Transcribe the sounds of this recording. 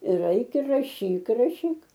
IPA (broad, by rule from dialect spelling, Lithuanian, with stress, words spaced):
ɪr rɐɪˈkʲɛ rɐˈʃʲiːk rɐˈʃʲiːk